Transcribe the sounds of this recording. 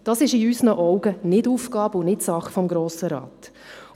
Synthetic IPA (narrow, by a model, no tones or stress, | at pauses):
d̥ɑsɪʃɪysnəʔɔʊɡ̥ənɪduːfkɑːbəʊnɪtsɑχfɔmɡɾoːsəɾɑ̰ːt